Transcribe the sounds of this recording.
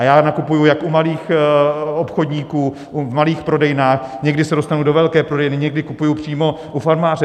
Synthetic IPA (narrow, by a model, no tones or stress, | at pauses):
ajaːnakupujujakʔumaliːx | opxodɲiːkuː | ʔuvmaliːxpɾo̞dɛjnaːxɲɛɡdɪsɛdo̞st̪anudovɛlkɛːpɾodɛjnɪɲɛɡdɪkupujupr̝̥iːmo̞ | ʔufaɾmaːrɛ